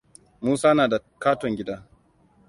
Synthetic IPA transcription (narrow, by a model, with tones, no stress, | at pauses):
muː˦saː˦naː˨da˨kaː˦tɔ˨ŋɡʲɪ˦da˦